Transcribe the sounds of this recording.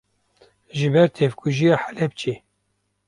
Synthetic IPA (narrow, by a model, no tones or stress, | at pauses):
ʒɨbɛɾt̪ʰevkʰuʒijɑːħalɛb̚t͡ʃʰe